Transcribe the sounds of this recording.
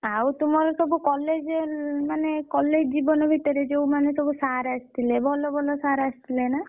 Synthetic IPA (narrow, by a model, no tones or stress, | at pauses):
awt̪umɔɾɔt̪obukɔled͡ʒeɾmanekɔlːed͡ʒd͡ʒibɔnɔbʱit̪ɔɾed͡ʒewmanet̪obusaɾast̪ʰilebʱɔlobʱɔlɔsaɾast̪ʰilena